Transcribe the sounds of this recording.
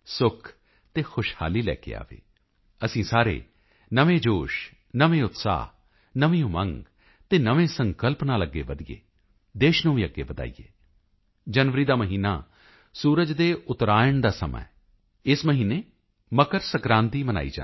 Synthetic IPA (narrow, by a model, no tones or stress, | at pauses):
sʊkʰ | t̪eːxʰʊʃha̰ːliːlɛ̰ːkḛːa̰ːʋḛː | əsĩːsaːɾḛː | nəʋẽːd͡ʒoːʃ | nəʋẽːʊt̪sa̰ːɦ | nəʋĩjõːmə̃ŋɡ | t̪eːnəʋẽːsəŋkəlpnaːləɡːḛːʋəd̪ijḛː | d̪eːʃnũːiːəɡːḛːbəd̪a̰ːḭjḛː | d͡ʒənʋəɾiːd̪aːməɦiːna̰ː | suːɾəd͡ʒd̪eːʔʊt̪ɾaːjəɳd̪aːsə̰mə̰ | ɪsməɦiːneː | məkəɾsəkɾãːnt̪iːməna̰ːḭːd͡ʒa̰ː